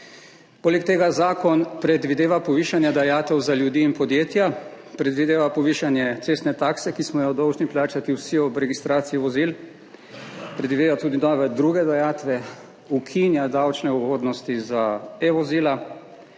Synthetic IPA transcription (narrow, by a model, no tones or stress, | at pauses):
poːlɛk̚t̪eːɡazaːkɔnpɾɛd̪ʋid̪eːʋapɔʋiːʃanjad̪ajaːt̪ɛwzaljud̪iːnpɔd̪jeːt̪ja | pɾɛd̪ʋid̪eːʋapɔʋiːʃanjɛt̪sest̪nɛt̪aːksɛkismɔjɔd̪ɔwʒniplaːt͡ʃat̪iwsiɔbɾɛɡist̪ɾaːt̪siiʋɔzil | pɾɛd̪ʋid̪eːʋat̪uːd̪inɔːʋɛd̪ɾuːɡɛd̪ajaːt̪ʋɛ | ukʰinjad̪awt͡ʃnɛuhoːd̪nɔst̪izaeʋɔziːla